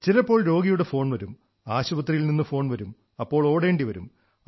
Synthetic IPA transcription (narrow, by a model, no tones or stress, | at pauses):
t͡ɕilɐpːo̞ːɭɾo̞ːɡijuɽe̞fo̞ːɳʋɐɾum | aːɕubɐt̪ːrijilninːɨfo̞ːɳʋɐɾum | ɐpːo̞ːɭo̞ːɽe̞ːɳɖiʋɐɾṵm